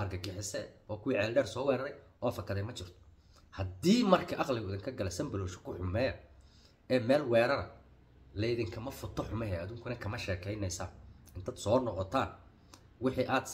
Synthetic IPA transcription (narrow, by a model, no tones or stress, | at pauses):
ɐrɡɐɡɪħɪsɛɔːkʰʊwiːʕɛːlɖɛːrsɔːwɛːɾɐɾɛjʔɔːfɐkʰɐðɛjmɐt͡ʃʰɪrt̪ʰɔ̥ | hɐd̪iːmɐrkʰɐʔɑqlɪɣʊɪðɪŋkʰɐɡɐlɛsɐmbɐlɔːʃɔ̥kʰʊħʊmɛːjɐ | ɛːmɛːlwɛːɾɐɾɐ | lɛjðɪŋkʰɐmɐfʊt̪ʰːɔħʊmɛɦɛɐðʊːŋkʰʊnɐkʰɐmɐʃɛːkʰɛjnɛjsɐːɪnt̪ʰɐːd̪sɔːnɔqɔt̪ʰaːn | wɪħiʔaːd̪